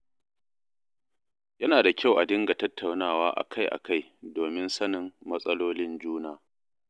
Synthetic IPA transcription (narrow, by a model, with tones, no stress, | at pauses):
jɐ˦naː˨da˨kʲa˦˨wʔa˨dɪ˦ŋɡa˨tɐ˦tːa˨wnaː˦˨waː˦ʔa̰˨kʰa˦jʔa̰˨kʰa˦˨jdoː˨mɪ˦nsɐ˦nɪ˨mːɐ˦sʼɐ˦loː˦lɪ˦nd͡ʒuː˦naː˦˨